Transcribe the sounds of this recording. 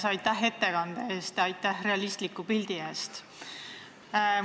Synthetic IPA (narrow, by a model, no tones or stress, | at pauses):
sɑjt̪ːæɦe̞t̪ːe̞kɑnd̪̥eeːst̪jɑɑjt̪ːˑæhre̞ɑlist̪likːˑupild̪̥ie̞ːst̪